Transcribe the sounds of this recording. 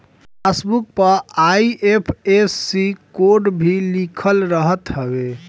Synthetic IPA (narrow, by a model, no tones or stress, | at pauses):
pʰesbuk̚pəɾaiʔepʰesːikoɾɖbʱilikʰəlɾəɦət̪ɦəbe